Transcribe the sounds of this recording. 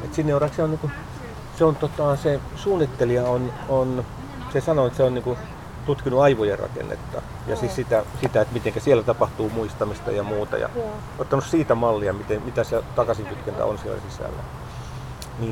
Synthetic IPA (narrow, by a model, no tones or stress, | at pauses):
et̪sinːeurɑkseoniːŋku | seont̪ot̪ɑse | suːnːit̪ːeliɑonon | sesɑnoet̪seonniŋku | t̪ut̪kinuɑiʋojerɑ̰kḛnːḛt̪ːɑ̰ | jɑ̰sisit̪æsit̪æet̪mit̪eŋkæsielːæt̪ɑpɑht̪uːmuist̪ɑmist̪ɑ̰jɑmuːt̪ɑ̰jɑ̰ | ot̪ːɑnussiːt̪æmɑlːiɑmit̪emit̪æset̪ɑkɑsiŋkyt̪kent̪æ̰o̰nsiḛlːæ̰sisæ̰lːæ̰ | niː